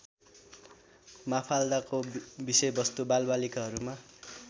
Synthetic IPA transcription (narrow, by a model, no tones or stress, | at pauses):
mapʰald̪akobisʌjbʌst̪ubalbalikaɦʌɾuma